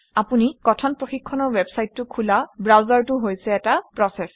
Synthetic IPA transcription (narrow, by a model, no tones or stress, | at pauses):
apunikɔtʰɔnpɹoxikʰːɔnɔɹwɛbsajtːʊkʰulabɹawzaɹtʊɦojsɛːtapɹɔsɛs